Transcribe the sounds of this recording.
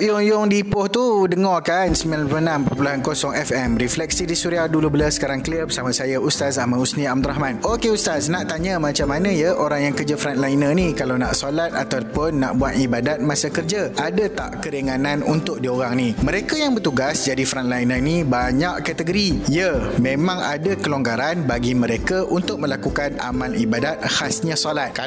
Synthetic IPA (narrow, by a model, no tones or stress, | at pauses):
jjʊŋdipʊht̪udəŋɔrkansəmianpənãmpopulaɦankosɔŋɛfɛmɾiflɛk̚sidisuɾiadulubələsə̥kaɾaŋkliərbəsamasajaust̪as̬amausniamd̪uɾaɦmãnokeust̪asnaʔt̪aɲəmat͡ʃamːanə̃jəʔoɾaŋjaŋkərd͡ʒafɾant̪lainənikalawnaʔsolat̪̚a̰t̪awpʊnːaʔbuat̪ibadat̪̚masakərd͡ʒaadat̪a̰ʔkəɾeŋanãnunt̪ʊk̚dioɾaŋnimə̃ɾekajaŋbərt̪uɡasd͡ʒadifɾanlainənibaɲaʔkat̪əɡoɾijəmẽmãŋa̰dakəloŋɡaɾanbaɡimə̃ɾekaʔunt̪ʊk̚mə̃lakukana̰mãlibadat̪̚hasɲãsolat̪̚a